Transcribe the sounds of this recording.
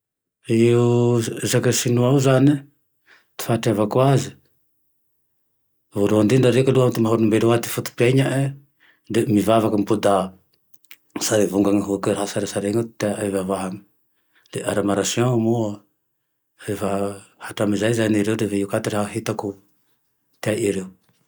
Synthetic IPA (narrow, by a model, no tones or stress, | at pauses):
iuzakəsinuauzani | t̪i̥faʈ͡ʂavakwazi | vuluand̪iɳɖ͡ʐaɾekaluamt̪imaɦuɾnumbeluat̪i̥fut̪u̥paɲaʔe | d̪emivavakampud̪a | saɾivuŋɡaŋɦukəɾɦasaɾasaɾeŋt̪aavavaɦam | leʔaɾamaɾasjõmuwa | evahaʈ͡ʂamizajzaniɾewd̪evejukat̪iɾehaɦit̪aku | t̪aʔiɾew